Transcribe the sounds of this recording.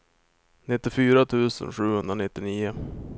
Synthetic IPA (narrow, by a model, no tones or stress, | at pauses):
nɪt̪ːɪfyːɾat̪ʰʉ̟ːsə̰nɧʉ̟ːhɵnd̪ɾanɪt̪ːɪniːʊ